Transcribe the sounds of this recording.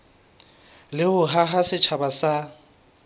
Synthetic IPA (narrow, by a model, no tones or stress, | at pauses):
lɪhʊɦaɦasɪt͡ʃʰabasa